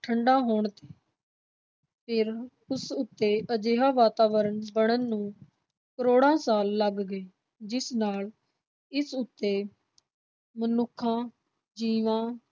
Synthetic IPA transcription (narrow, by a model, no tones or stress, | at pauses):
ʈʰəɳɖãːɦoːɳt̪e̥ː | pʰɪɾ | ʊsʊt̪ːeːʔəd͡ʒeːɦaːʋaːt̪aːʋəɾənbəɽ̃ənːũː | kəɾoːɽãːsaːlːəɡːeː | d͡ʒɪsnaːl | ɪsʊt̪ːeː | mənʊkʰːãː | d͡ʒiːʋãː